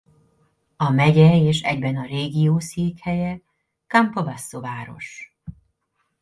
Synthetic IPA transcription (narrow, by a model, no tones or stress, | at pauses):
ɒmɛɟɛeːʃɛ̰ɟbɛnɒreːɡijoːsiːkhɛjɛ | kampɒbasːovaːɾo̞̰ʃ